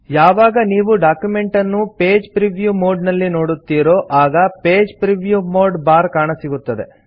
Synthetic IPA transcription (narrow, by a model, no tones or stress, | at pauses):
jaːʋaːɡɐniːʋuɖaːkjume̞ɳʈɐnːupeːd͡ʒpɾiʋjuːmo̞ːɖnɐlːino̞ːɽut̪ːiːɾoːʔaːɡɐpe̞ːd͡ʒpɾiʋjuːmoːɖbaːɾkaːɳɐsiɡut̪ːɐd̪e̞̰